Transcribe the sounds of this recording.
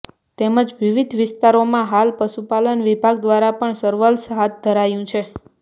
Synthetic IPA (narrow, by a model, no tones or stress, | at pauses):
t̪eməd͡ʒʋiʋid̪ʱʋɪst̪aɾomãɦalpəʃupalənʋibʱaɡd̪ʋaɾapəɳsəɾʋəlsɦat̪̚d̪ʱəɾajũt͡ʃʰe